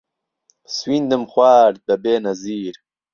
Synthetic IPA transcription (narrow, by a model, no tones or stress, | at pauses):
swind̪əmxwaːɾ̚bɐbeːnɐziːɾ